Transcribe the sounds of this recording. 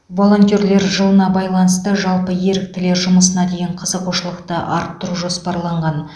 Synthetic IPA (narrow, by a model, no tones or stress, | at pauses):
vo̞lˠo̞nt̪ʲjoɾle̞ɾʒəlˠənɑbɑjlˠɑnəst̪əʒɑlˠpəje̞ɾɪk̚t̪ɪleɾʒʊməsənɑd̪e̞jɪɴqʰəzəqʰoʃəlˠəqt̪əʔɑ̰ɾp̚t̪ːʊɾuʒo̞spɑɾlˠɑɴʁɑn